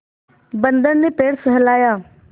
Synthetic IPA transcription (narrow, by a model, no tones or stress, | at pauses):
bənd̪əɾneːpeːɽsəɦəlaːjaː